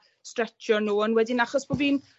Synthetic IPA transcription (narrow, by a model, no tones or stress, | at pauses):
strɛt͡ʃjɔnuːənwɛdɪnaχɔsb̥ɔviːn